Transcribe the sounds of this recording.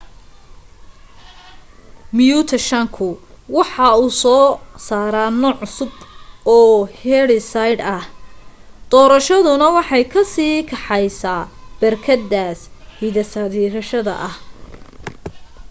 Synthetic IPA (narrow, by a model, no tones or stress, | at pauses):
mjuːt̪ʰɐʃɐŋkʰʊwɑħɑuːsɔːsaːɾaːnɔːʕʊsʊbɔːhɛɽɪsajd̪ɐh | d̪̥ɔːɾɐʃɐðʊnɐwɑħɑjkʰɐsiːkʰɑħɑjsaːb̥ɐrkʰɐd̪ːaːshiðɐsɐðiːɾɐʃɐðɐ̰ʔɐh